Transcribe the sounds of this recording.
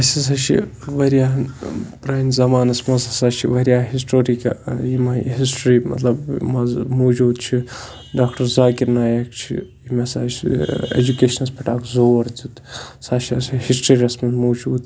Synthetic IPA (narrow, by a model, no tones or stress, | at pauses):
ɐsis̬ɐʃʰḭʋɐɾjaːpɾɐːnzɐmaːnɐsmɐzɐsaːʃʰḭʋɐɾjaːɦisʈoːɾika̰jimɐɦisʈɾiːmɐ̰t̪lɐbmɐzmoːd͡ʒuːd̪t͡ʃʰi | ɖaːkʈɐɾzaːkiɾnaːjɐkt͡ʃʰḭ | imɐsat͡ʃḛd͡ʒukeːʃɐnɐspʰʲɐʈaːkzoːʋɐɾd͡z̪ʲud̪saːʃʰiɐshisʈɾɐɾiɐsmɐzmoːd͡ʒuːd̪